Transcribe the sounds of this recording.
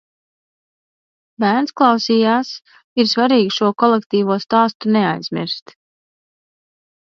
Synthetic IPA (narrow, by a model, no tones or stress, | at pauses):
bæːɾnsklˠɑwsiːjaːs | iɾsvaɾiːɡʃuɔkɔlˠɛkt̪iːvuɔst̪ɑːst̪uneajzmʲḭɾst̪